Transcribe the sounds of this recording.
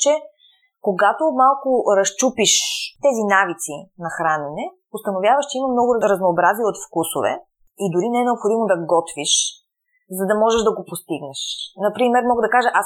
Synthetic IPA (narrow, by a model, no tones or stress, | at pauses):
t͡ʃɛ | koɡat̪omalˠkʊɾɐst͡ʃupiʃt̪ɛzinavit̪sinɐxɾanɛnɛ | ʊst̪ɐnovjavɐʃt͡ʃɛimɐmnɔɡʊɾɾɐznoːbɾaziot̪fkuso̰vɛ̰ | id̪ʊɾinɛɛnɛopxod̪imod̪ɐɡɔt̪viʃ | zɐd̪ɐmɔʒɛʒd̪ɐɡopost̪iɡnɛʃnɐpɾimɛɾmɔɡəd̪ɐkaʒəʔas